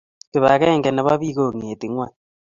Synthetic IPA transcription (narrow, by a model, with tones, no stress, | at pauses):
ke˨βa˨ɣɛ˦ŋɡɛ˨na˨βa˦βi˦ɣo˦˨ŋi˨e˨ti˨ŋwa˦˨